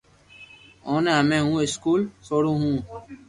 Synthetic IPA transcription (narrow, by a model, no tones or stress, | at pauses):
oːneɦəmẽːɦũːɪskuːlsoːɽõːɦũː